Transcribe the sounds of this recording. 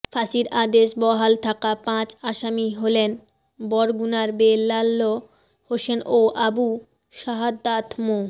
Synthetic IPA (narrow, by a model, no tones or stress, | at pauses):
fasiɾad̪eʃbɔɦalt̪ʰakapãt͡ɕaʃamiɦolen | bɔɾɡunaɾbelːalːo | hoʃenoʔabu | ʃaɦad̪ːat̪ʰmo